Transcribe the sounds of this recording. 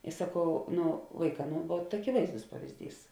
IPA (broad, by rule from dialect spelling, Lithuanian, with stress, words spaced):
ɪ sɐˈkɐʊ ˈnʊ ˈʋɐɪˌkɑː ˈnʊ ʋuɔt ɐkʲɪˈʋɐɪzdʊs pɐʋʲɪzʲˈdʲiːs